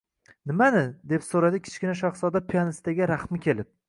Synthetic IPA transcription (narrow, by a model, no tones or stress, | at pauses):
nɪmanɪd̪e̞psoɾad̪ɪkʲʰɪ̥t͡ʃkʲɪnaʃ̬ɒχsɒd̪apʰijanɪst̪aɡʲɾaχmɪkʲʰe̞lɪp̚